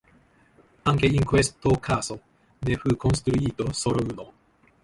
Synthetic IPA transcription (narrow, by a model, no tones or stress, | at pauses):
ãŋkeĩŋkwest̪ːokʰaːso | neɸɯ̟kʰõñst̪ɾuiːt̪osoɾoɯno